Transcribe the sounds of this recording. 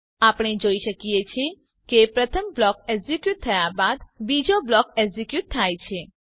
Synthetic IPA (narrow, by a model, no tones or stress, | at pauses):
apɽ̃ed͡ʒoiʃəkijet͡ʃʰe | kepɾət̪ʰəmblɔk̚ɛɡzikjut̪̚ʰːəjabad̪bid͡ʒoblɔkɛɡzikjut̪̚ʰːajt͡ʃʰe